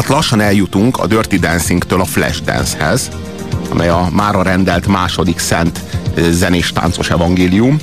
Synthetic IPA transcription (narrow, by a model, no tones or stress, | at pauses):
t̪lɒʃːɒnɛljut̪uŋkʰɒ̰d̪ørt̪id̪ɛnsiŋkt̪øːlɒflɛ̰ʒd̪ɛ̰nshɛz | ɒmʔɛjɒmaːɾɒɾɛnd̪ɛlt̪maːʃo̞d̪iksɛnt̪zɛneːʃt̪a̰ːnt̪so̞ʃɛvɒŋɡeːlijum